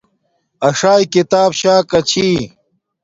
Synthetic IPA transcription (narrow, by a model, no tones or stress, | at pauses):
ɐʂaːjkit̪aːbɕaːkɐt͡ɕʰi